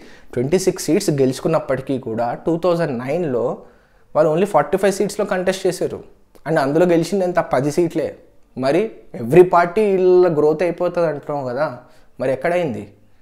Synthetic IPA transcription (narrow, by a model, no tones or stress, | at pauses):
ʈʋe̞ɳʈiːsiksːiːʈsɡe̞lusu̥kunːɐpːɐʈi̥kiːkuːɽaːʈuːt̪ʰɐwzɐɳɖnɐjnlo̞ː | ʋaːluoːnliːpʰaːɾʈiːpʰɐjʋsiːʈslo̞ːkɐɳʈesʈt͡ʃeːsaːɾṵ | ɐɳeɐnd̪ulo̞ːɡe̞lit͡ʃind̪ɐnt̪apɐd̪isiːʈle̞̰ː | mɐɾieʋɐɾipaːɾʈiilɐɡɾoːt̪ɐjpɔːt̪aːd̪ɐɳʈunaːukɐd̪aː | mɐɾiɛkːɐɽɐjind̪i